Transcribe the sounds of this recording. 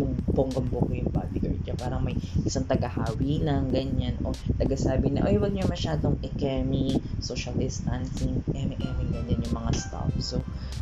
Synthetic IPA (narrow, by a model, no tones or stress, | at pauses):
ʊŋpoŋɡɐmbokojʊŋba̰ːd̪iɡɐ̰ɹ̚ɲɐpaːɾɐŋmɐjʔɪsaŋt̪ɐɡɐhaːwiːlɐŋɡɐɲanʔo̰t̪ɐɡasaːbɪɲɐ̰ʔojwɐɡ̚ɲomɐʃaːd̪oŋʔɛkɛmisoʃɐld̪ɪst̪ansɪŋɛmɛkɛmɪŋɡɐndɛnjʊŋmɐŋast̪a̰fso